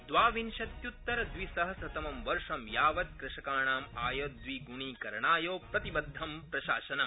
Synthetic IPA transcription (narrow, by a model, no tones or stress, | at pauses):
d̪ʋaːʋinʃɐt̪jut̪ːɐɾɐd̪ʋisɐɦɐsɐt̪ɐmɐmʋɐɾʂɐmjaːʋɐt̪̚kɾɪʃɐkaːɳaːmaːjɐd̪ʋiɡuɳiːkɐɾɐɳaːjoːpɾɐt̪ibɐd̪ʱːɐmpɾɐʃaːʃɐnɐ